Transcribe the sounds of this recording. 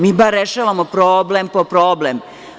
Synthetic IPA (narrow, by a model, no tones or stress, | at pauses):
miːbaɾːeʃaʋamopɾoːblempopɾoːblem